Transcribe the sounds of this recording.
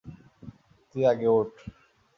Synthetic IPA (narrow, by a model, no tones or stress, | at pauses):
t̪iaɡeoʈ